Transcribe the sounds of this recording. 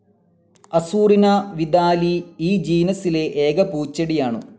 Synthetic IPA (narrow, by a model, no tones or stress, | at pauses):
ɐsuːrinɐʋid̪aːliiːd͡ʑiːnɐsileʔeːɡɐpuːt͡ɕːɐɽijaːɳṵ